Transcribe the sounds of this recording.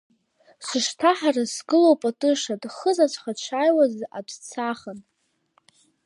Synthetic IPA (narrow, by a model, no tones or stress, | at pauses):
sʷɨʂtʰaħarasɡɨlowpʼatʼɨʂadʼχəzat͡ʃʷʰʼχat͡ʃʷʰajwaza̰dt͡sʰaχən